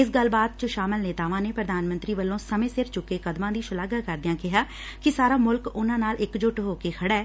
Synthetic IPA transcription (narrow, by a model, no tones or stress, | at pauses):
ɪsɡəlːbaːd̪̚t͡ʃəʃaːməlneːt̪aːʋãːneːpɾəd̪aːnmə̃nt̪ɾiːʋəlːõːsəmẽːsɪɾt͡ʃʊkːeːkəd̪mãːd̪iːʃʊlaːɡaːkəɾd̪ɪjãːkɪɦaː | kɪsaːɾaːmʊlkʊnãːnaːlɪkd͡ʒʊʈɦoːkeːkʰəɽɛː